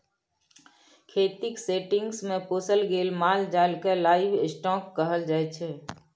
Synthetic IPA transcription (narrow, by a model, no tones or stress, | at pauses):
kʰeːt̪ɪkseːʈɪ̃ŋɡsmẽpoːsəlɡeːlmaːld͡ʒaːlkelaːɪʋɪsʈɔːkːəɦəld͡ʒaːet͡ʃʰeː